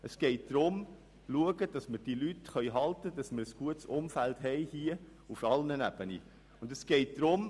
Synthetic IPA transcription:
əsɡ̥ɛɪt̚d̥ɾʊm | luəɡəd̥ɑsməd̥ilytχœʏɦɑltəd̥ɑsməɾəsɡ̥uətsʊmfæltɦɛɪhiə | ufɑlnənæb̥ənḭ | ʊndəsɡ̥ɛɪt̚d̥ɾʊm

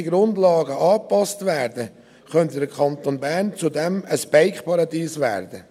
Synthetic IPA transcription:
iɡɾʊndlɑːɡəʔɑːpɑstvɛːɾdə | χœntədəkʰɑntonbæɾnt͡sudɛməsb̥æɪkχpʰɑɾɑdiːsvæ̰ːɾd̥ə

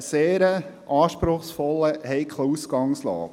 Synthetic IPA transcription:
seːɾəʔɑːʃpɾʊχsfɔlːəhɛɪkʰlusɡɑŋslɑ̰ːɡ

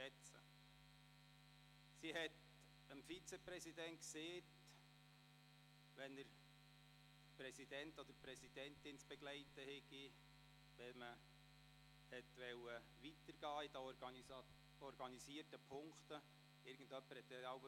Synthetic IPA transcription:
ɛt͡sə̰ | siɦɛt | əmfit͡sepɾɛsidɛntkseːt | ʋɛnəɾ | pɾɛsidɛntod̥̪əɾpɾɛsid̥ɛntɪnt͡sb̥ɛɡ̥læɪtəhɛɡ̥i | tɛmə | hɛtʋɛwə | ʋitəɾɡ̥ɑːid̥ə | ɔɾɡɑnisiːrtəpʰʊŋkt̪ə | ɪɾɡ̥əndœpːəɾhɛt̪ːɛaʊ

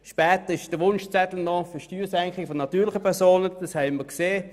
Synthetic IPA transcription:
ʃpɛːtəʁɪʃd̥əʋʊnʃt͡sɛtl̩nɔfəʃtyːsɛŋkχɪɡəfɔnɑtyːɐlɪəpʰɛʁsoːnəd̥ɑshɛɪməkseː

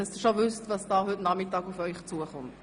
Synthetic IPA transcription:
ɛnsduʃovʏstvɑsd̥ɑːɦʏtnɑmɪtɑːɡufœʏχt͡suəχʊnt

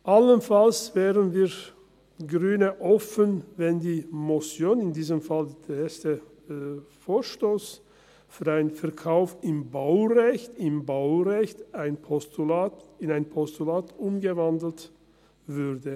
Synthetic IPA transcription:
ʔalənfalsv̥ɛːʁənviː | ɡʁyːnəʔɔfənvɛndiːmɔsjoːnɪndiːzəmfald̥eeːstə | foːɐʃtoːs | fyːɐaɪnfɛɐkʰaʊfɪmbaʊʁɛçtɪmbaʊʁɛçtaɪnpʰɔstulaːɪnaɪnpʰɔstulaːtʔʊmɡəvandl̩t | vʏʁdə

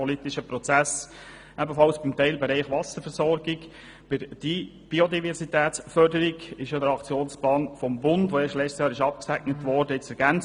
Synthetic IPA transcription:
ɔlit̪ɪʃəpɾɔt͡sæs | ʔɛbəfɑlsb̥ɪmt̪ɛɪlbɛɾɛɪχʋɑsəɾfɛɾsɔɾɡɪɡ | b̥ɪɾd̥i | b̥iod̪ivɛɾsit̪æːt͡sfœɾdəɾɪɡɪʃjɑd̪əɾɑkt͡sjoːnsplɑːnfɔmbʊndʋoeːʃtlɛt͡stjɑːɾɪʃɑp̚ksɛɡnətʋɔɾdəɪt͡sɛɾɡ̥ænt͡s

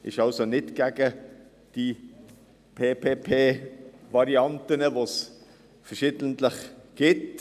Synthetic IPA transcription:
ʔɪʃɑlsonɪtɡ̥ɛːɡ̥ə | d̥i | pʰeːpʰeːpʰeːvɑɾiɑntənəvoːs | fɛʁʃiːdəntləχɡ̥ɪt

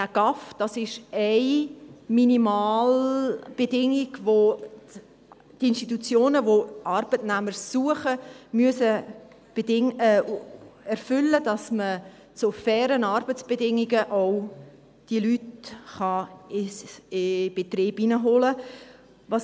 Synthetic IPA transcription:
æɡ̥ɑfd̥ɑsɪʃɛɪminimɑːlb̥edɪŋiɡ̥vo | tɪnʃtit̬ut͡sjoːnəvoɑɾb̥ətnæməɾsuəχəmyəsə | b̥edɪŋː | ɛɾfʏlːədɑsmə | t͡sofɛːɾənɑɾbət͡sb̥edɪŋiɡəʔaw | d̥iəlytχɑɪ | b̥et̪ɾiːbinəɦolə | vɑs

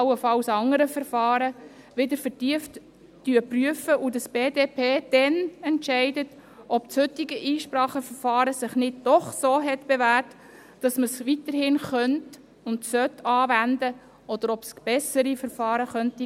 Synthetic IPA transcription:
əfɑwsɑŋəɾəfəɾfɑːɾə | ʋɪdəɾfətiəft | d̥yəpryəfəʔudɑsb̥eːdeːpʰeːd̥ɛnɛntʃɛɪdət | ʔɔpshʏtɪɡəʔiːʃpɾɑːχəfəɾfɑːɾəsɪχnɪd̚d̥ɔχsoːɦɛtb̥evæːrtː | d̥ɑsməsʋit̪əɾhɪnχœnt | ʊntsœtʰːɑːvænd̪ə | ɔd̥̪əɾɔbsb̥ɛsəɾifəɾfɑːɾəχœnti

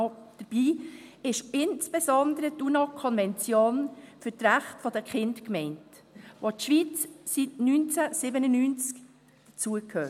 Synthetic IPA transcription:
d̥əb̥iːɪʃɪnst͡sb̥esɔndəɾətunɑkʰɔnvɛnt͡sjoːnfʏɾtɾæχtfɔd̥əχɪndkmɛɪnt | ʋotʃʋiːt͡ssitnynt͡sæsɪbənənyːnt͡sk | d̥ət͡suəkʰhøː

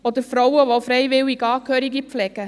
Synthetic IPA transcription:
od̪əɾfɾɔwəʋofɾɛɪvɪwiɡɑːkʰøːɾiɡiflɛɡ̥ə

